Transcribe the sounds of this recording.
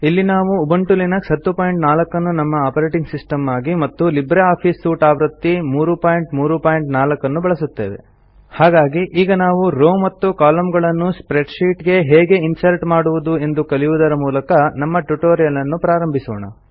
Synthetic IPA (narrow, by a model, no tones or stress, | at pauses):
ilːinaːʋuːbɐɳʈulinɐksɦɐt̪ːupaːjiɳʈnaːlɐkːɐnːunɐmːɐaːpɐɾeːʈiŋɡsisʈɐmːaːɡimɐt̪ːulibɾeaːpʰiːsːuːʈaːʋɾɐt̪ːimuːɾupaːjiɳʈmuːɾupaːjiɳʈnaːlɐkːɐnːubɐɭɐsut̪ːe̞̰ːʋe̞̰ | haːɡaːɡiʔiːɡɐnaːʋuɾoːmɐt̪ːukaːlɐmɡɐɭɐnːuspɾeɖʂiːʈɡe̞ɦeːɡe̞insɐɾʈmaːɽuʋud̪ue̞nd̪ukɐliʋud̪ɐɾɐmuːlɐkɐnɐmːɐʈuʈoːɾijɐlɐnːupɾaːɾɐmbʱisɔ̰ːɳɐ̰